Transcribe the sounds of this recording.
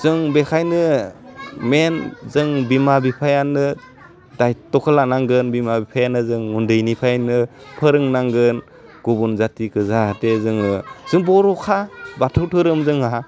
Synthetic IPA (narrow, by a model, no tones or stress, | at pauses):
z̥ɯŋbekʰajnɯ | menzɯŋbimabipʰajanɯ | dajtɔkʰɯlanaŋɡɯnbimabipʰajanɯzɯŋːundɯjnipʰajnɯpʰɯɾɯŋnaŋɡɯn | ɡ̥ubunzatikʰɯzahatezɯŋɯz̥ɯŋbɔɾɔkʰabatʰɯwtʰɯɾɯmzɯŋaɦa